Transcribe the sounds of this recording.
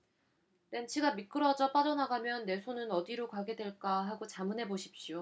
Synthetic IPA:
tent͡ɕʰiɡamit̚k͈ɯɾʌd͡ʑʌp͈aʌnaɡamjʌnːe̞sʰonɯnʌdiɾokaɡe̞dwe̞ɭk͈aɦaɡot͡ɕamɯnɦe̞boɕʰi̥p̚ɕ͈jo

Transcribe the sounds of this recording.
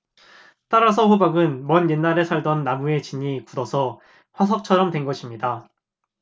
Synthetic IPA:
t͈aɾas̬ʰʌɸubaɡɯnmʌnje̞nːaɾe̞sʰaɭdʌnːamue̞t͡ɕiɲikudʌsʰʌ | ɸwas̬ʰʌk̚t͡ɕʰʌɾʌmtwe̞nɡʌɕʰimɲida

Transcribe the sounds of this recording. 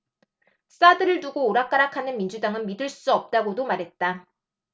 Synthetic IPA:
s͈adɯɾɯɭtuɡoːɾak͈aɾakʰanɯnmind͡ʑudaŋɯnmidɯɭs͈uʌp̚t͈aɡodomaɾɦe̞t̚t͈a

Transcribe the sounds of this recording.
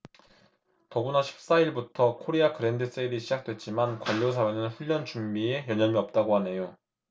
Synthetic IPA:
tʌɡunaɕʰi̥p̚s͈aiɭbutʰʌkʰoɾiakɯɾe̞ndɯs͈eiɾiɕʰid͡ʑak̚t͈we̞t̚t͡ɕ͈imankwaʎːos̬ʰawenɯnɸuʎːʌnt͡ɕumbiejʌɲʌmiʌp̚t͈aɡoɦane̞jo

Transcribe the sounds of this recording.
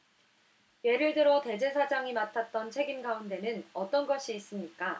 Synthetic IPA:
je̞ɾɯɭdɯɾote̞d͡ʑe̞sʰad͡ʑaŋimatʰat̚t͈ʌnt͡ɕʰe̞ɡimɡaunde̞nɯnʌt͈ʌnɡʌɕʰiːs͈ɯmɲik͈a

